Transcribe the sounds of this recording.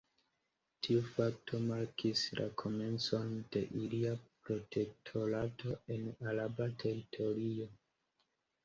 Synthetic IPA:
tʰiufak̚tʰo̞maɾkislʔa̰kʰo̞me̞nt͡so̞nde̞ʔiliapɾo̞tʰe̞k̚tʰo̞ɾato̞e̞nalabatʰe̞ɾitʰo̞ɾio̞

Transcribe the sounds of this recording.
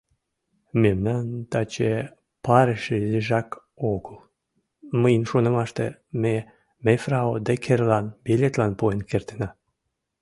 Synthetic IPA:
memnɑnt̪ɑt͡ɕe | pɑɾeʃezeʒɑk | oɣəl | məjənʃonə̆mɑʃt̪eme | mefrɑod̪ekʰerlɑnbelʲet̪lɑnpoenkert̪enɑ

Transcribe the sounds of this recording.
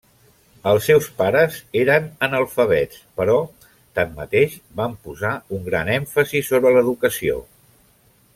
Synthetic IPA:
əlˠsːɛwspaɾəzeɾənənəlˠfəβɛt͡s | pəɾɔ | t̪amːə̰t̪eʃbampuzauŋɡɾa̰nɛɱfəzisoβɾələðukəsio̰

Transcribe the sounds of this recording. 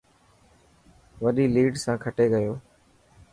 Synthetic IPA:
ʋəɗiːliːɖsãːkʰəʈeːɡəjoː

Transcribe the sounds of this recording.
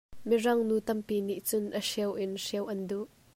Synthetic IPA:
mirɐŋnuːt̪ɐmpiːniʔt͡sʊnʔəʂɛwʔɪnʂɛwʔɐnduʔ

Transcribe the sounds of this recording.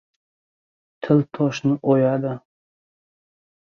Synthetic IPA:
t̪ʰɪlt̪ʰɒʃnɪʔojad̪ɪ

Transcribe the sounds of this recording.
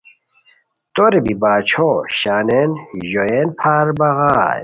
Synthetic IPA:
t̪oɾebibaːt͡ɕʰoɕaːnenʑoenpʰaːɾbɐɣaːj

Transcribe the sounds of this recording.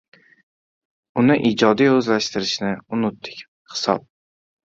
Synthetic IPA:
ʊnɪʔid͡ʒɒd̪ijɵzlaʃt̪ɪɾɪʃnɪʊnʊt̪ːɪ̥kʲ | hɪ̥sɒ̰p̚

